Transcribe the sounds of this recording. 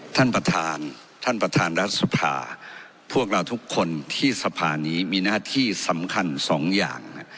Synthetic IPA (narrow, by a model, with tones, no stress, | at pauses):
t̪ʰa˥˩npɾa˧t̪ʰaː˧n | t̪ʰa˥˩npɾa˧t̪ʰaː˧nɾa˦˥t̪̚su˨˧pʰa̰ː˧ | pʰu˥˩ək̚ɾa˧wt̪ʰu˦˥kʰːo˧nt̪ʰiː˥˩sa˧pʰaː˧niː˦˥miː˧naː˥˩t̪ʰiː˥˩sa˩˦mkʰa˧nsɔː˩˦ŋja̰ː˨˩ŋ˥